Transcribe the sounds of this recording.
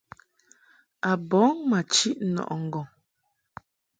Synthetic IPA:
a˨bɔ˨˦ŋma˨t͡ʃi˦ʔnɔ̰˨ʔŋ̩˨ɡɔ˨ŋ

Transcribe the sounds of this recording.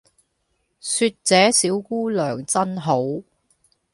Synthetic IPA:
syː˧t̚t͡sɛː˨˥siː˨˥wkuː˥lœː˨˩ŋt͡sɐ˥nɦo˨˥w

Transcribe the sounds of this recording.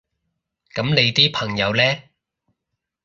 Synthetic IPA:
kɐ˨˥mnle˨˧jt̪iː˥pʰɐ˨˩ŋjɐ˨˧wlɛː˥

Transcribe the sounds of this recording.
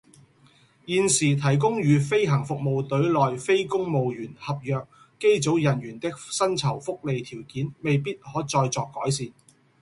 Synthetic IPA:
jiː˨nsiː˨˩t̪ʰɐ˨˩jk̬ʊ˥ŋjyː˨˧fe˥jɦɐ˨˩ŋfʊ˨k̚mo˨˧wt̪ɵ˨˥ɥlɔː˨jfe˥jkʊ˥ŋmo˨˧wjyː˨˩nhɐ˨p̚jœː˨k̚ː | e˥jt͡so˨˥wjɐ˨˩nɥyː˨˩nt̪ɪ˥k̚sɐ˥nt͡sʰɐ˨˩wfʊ˥k̚le˨jt̪ʰiː˨˩wkiː˨˥nme˨jp̬iː˥t̚hɔː˨˥t͡sɔː˧jt͡sɔː˨˧kːɔː˨˥jsiː˨n

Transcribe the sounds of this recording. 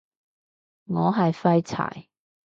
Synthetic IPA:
ŋɔː˨˧ɦɐ˨jfɐ˥jt͡sʰa̰ː˨˩j

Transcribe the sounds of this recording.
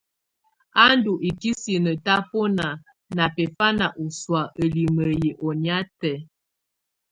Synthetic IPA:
a˦n˦du˨ʔi˨ki˦si˨nə˨ta˦pɔ˦na˨ | na˨pɛ˨fa˦na˨ʔu˨swa˨ʔə˨li˨mə˨je˨ʔɔ˨nja˦tɛ˨

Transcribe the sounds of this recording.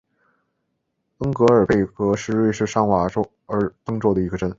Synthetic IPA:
ə˥ŋkɤ˧˥ə˞˨˩pe˥˩ɪkɤ˧˥ʂɻ̩˥˧ɻwe˥˧ɪʂɻ̩˥˩ʂɑ˥ŋwa˧˥ʈ͡ʂo˥ʊ | ə˞˧˥t̪ɤ˥ŋʈ͡ʂwo˥˩ʊd̪ə˩i˧˥ɡə˧ʈ͡ʂə˥n

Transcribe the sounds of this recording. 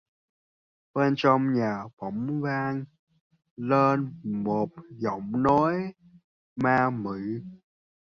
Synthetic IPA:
ɓe˧nt͡ɕɔ˧ŋ͡mɲaː˨˩ɓɔ˧˩wŋ͡mvaː˧ŋ | leː˧nmo˨˩t̚zɔ˧˩wŋ͡mno˨˦j | maː˧mɨ̰˧˩˨

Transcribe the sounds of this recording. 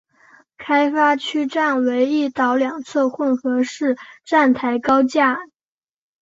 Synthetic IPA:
kʰa˥ɪfa˥t͡ɕʰy˥ʈ͡ʂa˥˩nwe˧˥ɪi˥˩t̪ɑ˧˥ʊljɑ˨˩ŋt͡sʰɤ˥˧xwə˥˩nxɤ˧˥ʂɻ̩˥˧ʈ͡ʂa˥˩nt̪ʰa˧˥ɪkɑ˥ʊt͡ɕja˥˩

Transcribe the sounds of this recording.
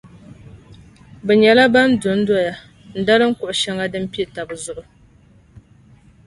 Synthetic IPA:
bɛ˨ɲɛ˨la˦ba˦n˦dʊ˨n̩˦dɔ˦ja˨ | n̩˨da˦lɨ˦ŋ̩˦kʊ˨ʔʊ˨ʃa˦ŋa˦dɨ˦m˦pi˦e˨ta˨bɨ˨zʊ˦ʔʊ˨

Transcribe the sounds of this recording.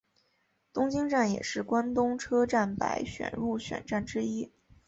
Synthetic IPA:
t̪ʊ˥ŋt͡ɕi˥ŋʈ͡ʂa˥˩njɛ̰˨˩ʂɻ̩˥˩kwa˥nt̪ʊ˥ŋʈ͡ʂʰɤ˥ʈ͡ʂa˥˩npa˧˥ɪɕɥɛ̰˨˩nɻu˥˩ɕɥɛ̰˨˩nʈ͡ʂa˥˩nʈ͡ʂɻ̩˥i˥

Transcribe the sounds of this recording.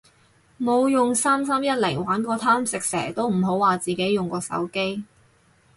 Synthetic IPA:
mo˨˧wjʊ˨ŋsaː˥ms̬ɐ˥mjɐ˥t̚lɪ˨˩ŋwaː˨˥nkɔː˧t̪ʰaː˥msɪ˨k̚sɛ̰ː˨˩t̪o˥wm̩˨˩ɦo˨˥waː˨t͡siː˨ke˨˥jjʊ˨ŋkɔː˧sɐ̰˨˥wke˥j

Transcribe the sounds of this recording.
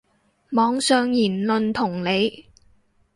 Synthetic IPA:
mɔː˨˧ŋsœː˨˧ŋjiː˨˩nlɵ˨nt̪ʰʊ˨˩ŋle˨˧j

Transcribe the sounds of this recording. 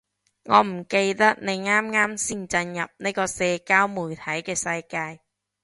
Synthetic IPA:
ŋɔː˨˧m̩˨˩ke˧jt̪ɐ˥k̚ne˨˧jŋaː˥mŋaː˥msiː˥nt͡sɐ˧njɐ̰˨p̚ne˥kɔː˧sɛː˧kaː˥wmuː˨˩jt̪ʰɐ˨˥jkɛː˧sɐ˧jkaː˧j

